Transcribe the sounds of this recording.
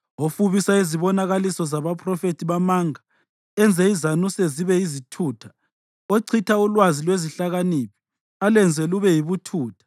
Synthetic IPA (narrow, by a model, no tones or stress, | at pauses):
ofuβisaiziβɔnaɣalisɔzaβapʰʼrɔfetʰiβamaŋa | ɛnd͡zʱɛizanuseziβɛizitʰuːtʰḁ | oǀʰitʰaulwazilweziɬaɣaniːpʰi̥ | alɛnd͡zʱɛluβɛjiβutʰuːtʰḁ